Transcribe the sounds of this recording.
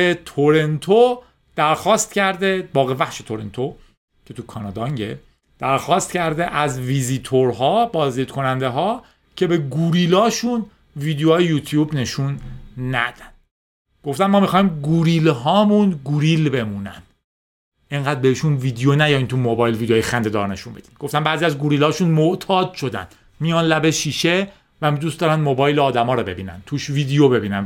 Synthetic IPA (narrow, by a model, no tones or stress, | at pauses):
et̪ʰoɾe̞nt̪ʰo | d̪̥æɾxɒːst̪cæɾd̪ebɒːɣevæχʃe̞t̪ʰoɾe̞nt̪ʰo | cʰe̞t̪ʰukʰɒːnɒːd̪ɒŋɟḛ | d̪̥æɾxɒːst̪cʰæɾd̪eʔæzviziːt̪ʰoɾɦɒːbɒːzd̪iːd̪̥kʰo̞nænd̪e̞ɦɒː | cʰe̞be̞ɡuɾiːlɒːʃun | viːd̪ejɒːjejuːt̪ʰjuːbne̞ʃunːæ̰d̪̥ænd̪̥ | ɡ̥o̞ft̪ænmɒːmixɒːhiːmɡuɾiːlɦɒːmunɡuɾilbe̞muːnæ̰nd̪̥ | ʔeŋɢæːd̪̚beiʃunviːd̪ejonæjɒjimt̪ʰumobɒːjlvid̪oːjexænd̪e̞d̪ɒ̰ːɾne̞ʃuːmbe̞d̪iːmɡ̥o̞ft̪ænbæːɾziæzɡuɾiːlɒːʃunmoʔt̪ʰɒːd̪̥ʃo̞d̪æ̰nd̪̥ | mijɒːnlæbeʃiːʃe̞ | væmd̪uːst̪ɒːɾænd̪mobɒːjleːd̪æmɒːɾɔbe̞̰biːnæ̰nt̪ʰuːʃviːd̪ejobe̞biːnæn